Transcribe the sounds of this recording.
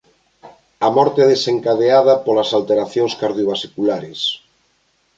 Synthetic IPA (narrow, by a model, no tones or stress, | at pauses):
ɐmɔɾt̪eɛðeseŋkaðeaðɐpolɐsalt̪eɾaθjoŋskaɾðjoβasikulaɾes